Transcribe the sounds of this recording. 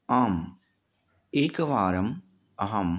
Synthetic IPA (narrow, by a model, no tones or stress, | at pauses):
aːm | eːkɐʋaːɾɐm | ɐɦɐm